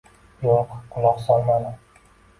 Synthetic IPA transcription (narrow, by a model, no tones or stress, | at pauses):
joqqʰʊlˠɒqsɒlˠmana